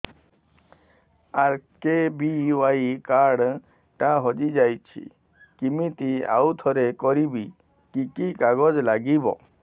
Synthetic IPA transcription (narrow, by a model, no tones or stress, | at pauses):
aɾkebiwaikaɽ | ʈãɦɔd͡ʒid͡ʒajt͡ʃʰḭ | kimit̪ia̰wt̪ʰɔɾekɔɾibi | kikikaɡɔd͡ʒlaɡibɔ̰